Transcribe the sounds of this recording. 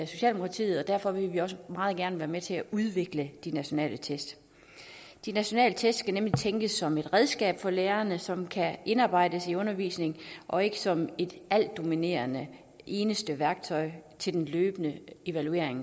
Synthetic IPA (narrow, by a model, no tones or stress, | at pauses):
æso̝ɕɛ̰ːld̥emokʰɑ̈t͡sʰḭːð̩ˠɒd̥æɐfɒ̽ʋe̝lʋiɒ̽s̬əmɑ̈ːð̞̩ˠɡ̥æɐnəʋæːɐmet͡sʰe̝æʔuðˠʋe̝ɡ̥ləd̥inæɕo̝nɛ̰ːlʔət͡sʰesd̥ | d̥inæɕo̝nɛ̰ːlət͡sʰesd̥sɡ̥ænemlit͡sʰeŋɡ̥əsːɒ̽me̝d̥ʁɛð̞ˠsɡ̥ɛ̰ːb̥fɒ̽leːɐɐnəsɒ̽mkʰæʔe̝nɑ̈ːb̥ɑ̈ɪ̰d̥əsiɔ̽nɐʋḭːsne̝ŋʔɒ̽e̝ɡ̥əsɒ̽me̝d̥æl̰d̥o̝mine̝̰ɐnə | ʔe̝ːnəsd̥əʋæɐɡ̥t͡sʰɒ̽ɪt͡sʰe̝ld̥enløːb̥ənəe̝ʋælue̝̰ɐ̰eŋ